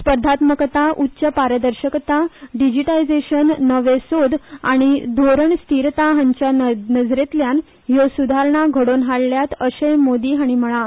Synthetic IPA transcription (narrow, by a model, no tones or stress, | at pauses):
spəɾd̪ʱat̪məkt̪aʔutːɕəpaɾəd̪əɾɕəkt̪aɖid͡ʑiʈaid͡zeɕənːəʋesod̪a̰ɽ̃id̪ʱoɾəɳst̪iɾt̪aɦãɲt͡ɕjanəd͡zɾet̪ljan | josud̪ʱaɾɳaɡʱəɽonɦaɽljat̪əɕəjmod̪iːɦaɽ̃im̤əɭ̃a